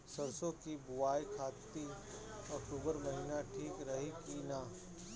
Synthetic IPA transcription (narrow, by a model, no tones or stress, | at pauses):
sɐɾsõkibʊʋaːikʰaːt̪ːi | ɔk̚ʈuːbəɾmɐɦɪnaʈʰiːkɾɐɦikinaː